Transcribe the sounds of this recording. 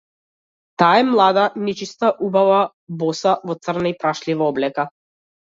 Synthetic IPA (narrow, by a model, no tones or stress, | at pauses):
t̪aːɛmlˠad̪anɛt͡ʃist̪aʔubava | bɔsavɔt̪sr̩naipɾaʃlivaɔblɛka